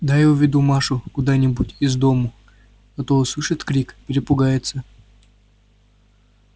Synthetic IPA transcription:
d̪ajovʲɪd̪umaʂʊkʊd̪anʲɪbutʲɪzd̪omʊ | ɐt̪osˠɨʂɨt̪kɾʲikpʲɪɾʲɪpʊɡajɪt̪sə

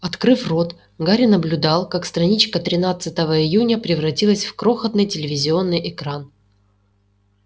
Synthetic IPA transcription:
ɐt̪kɾɨfro̞t̪ | ɡaɾʲɪnəblʲʊd̪alˠkakst̪rɐnʲit͡ɕkət̪ɾʲɪnat̪sɨt̪əvəɪjunʲəpɾʲɪvrɐtʲilˠəsʲfkɾo̞xət̪nɨjtʲɪlʲɪvʲɪzʲɪo̞nːɨjʔɪkɾan

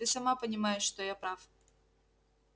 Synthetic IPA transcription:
t̪ɨsɐmapənʲɪmajɪʂʂt̪ojapɾaf

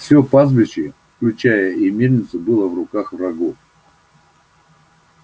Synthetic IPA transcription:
fsʲopazbʲɪt͡ɕɪfklʲʉt͡ɕæjəimʲed̪ʲnʲɪt̪sɨbɨlˠəvrʊkaxvrɐɡof

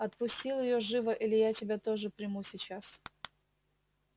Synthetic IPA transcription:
ɐt̪pʊsʲtʲilˠjɪjoʐɨvəʔilʲɪjatʲɪbʲat̪oʐɨpɾʲɪmusʲɪt͡ɕas

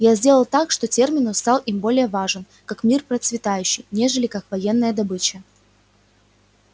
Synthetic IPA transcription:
jazʲdʲe̞lˠəlˠt̪akʂt̪o̞tʲe̞rmʲɪnʊst̪alˠimbo̞lʲɪjəvaʐɨn | kakmʲirpɾət̪svʲɪt̪ajʉɕːɪjnʲe̞ʐɨlʲɪkakvɐjenːəjəd̪ɐbɨt͡ɕə

